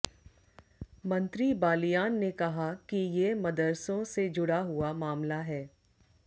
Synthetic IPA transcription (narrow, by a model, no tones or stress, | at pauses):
mɐ̃nt̪ɾibaːlijaːnːekɐɦakijeːmɐd̪əɾsõsed͡ʒʊɽaɦuamaːmlaɦɛː